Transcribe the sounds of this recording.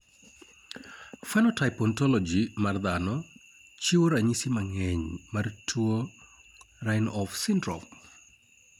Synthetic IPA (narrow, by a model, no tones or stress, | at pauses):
fɛnɔtajpɔntɔlɔd͡ʒimard̪anɔ | t͡ʃiwoɾaɲisimaŋɛɲmartʰuo | rajnɔfsɪndɾɔp